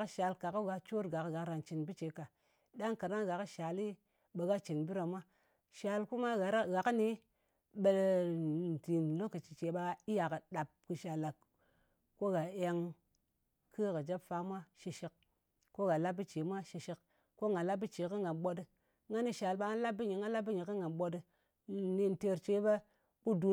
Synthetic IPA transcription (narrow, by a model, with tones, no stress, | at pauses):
kʃa˨lka˨kɡa˨t͡ʃo˦ɾɡa˨kɡa˨kɾa˨nt͡ʃi˨nbi˦t͡ʃe˨˦ka˨ | ɗa˦ŋka˨ɾa˦ŋɡa˨kʃa˨li˦ | ɓe˨ɡa˦t͡ʃi˨nbi˦ɾa˨mʷa˦ | ʃa˨lku˦ma˦ɣa˨ɾɣa˨kni˦ | ɓe˨ln̩˨ti˨nlo˦kə˨t͡ʃi̥˨t͡ʃe˨ɓa˧i˦ja˨kə˨ɗa˨p̚kɨ˧ʃa˨la˨k | ko˦ɡa˨e˧ŋ | kʰɨ˦˨kɨ˨d͡ʒa˦pfa˦mʷa˦ʃi˧ʃi˨k̚ | ko˦ɡa˨la˦b̚bi˦t͡ʃi˨˦mʷa˦ʃi˧ʃi˨k | ko˦ŋɡa˨la˦b̚i˦t͡ʃi˨kɨ˦ŋɡa˨nɓo˧dɨ˧ | ŋa˦ni˦ʃa˨lɓa˧ŋa˦la˦b̚ːi˦ɲi˨ŋɡa˦la˦bːi˦ɲi˨kɨ˦ŋɡa˨nɓo˧dɨ˧˨ | ni˧n˨te˧ɾt͡ʃe˨˦be˦ | ku˦du˨˧